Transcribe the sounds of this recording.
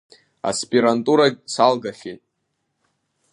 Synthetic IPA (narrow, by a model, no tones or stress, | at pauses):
a̰spʼiɾantʼuɾasalɡaχʲejtʼ